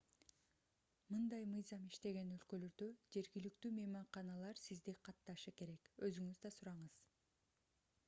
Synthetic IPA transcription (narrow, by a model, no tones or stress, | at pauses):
mɯnd̪ɑjmɯjzɑmiʃt̪e̞ɡe̞nø̞lkø̞lø̞ɾd̪ø̞d͡ʒe̞ɾɡilikt̪yːme̞mɑɴqɑnɑlˠɑɾsizd̪iqʰɑt̪ːɑʃɯke̞ɾe̞kø̞zyŋyzd̪ɑsuɾɑɴɯz̥